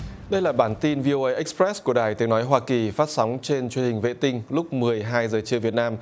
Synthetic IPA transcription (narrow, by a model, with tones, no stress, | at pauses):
ɗə˧jlaː˨˩ɓaː˧˩nt̪i˧nvi˧o˧ʔə˧jʔɛ˦˥k̚spɾɛ˦˥sku˧˩əɗaː˨˩jt̪i˨˦ənɔ˨˦jɦwaː˧ki˨˩faː˦˥t̚sa˨˦wŋ͡mt͡ɕe˧nt͡ɕwənhï˨˩ŋ̟vḛ˧˨t̪ï˧ŋ̟lʊ˦˥k͡p̚mɨ˨˩əjɦaː˧jzəː˨˩t͡ɕɨ˧əvi˨˩ət̚naː˧m